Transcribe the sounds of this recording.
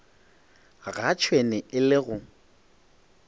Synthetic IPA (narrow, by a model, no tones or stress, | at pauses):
ɣat͡ʃʰwenɛɪlɪɣʊ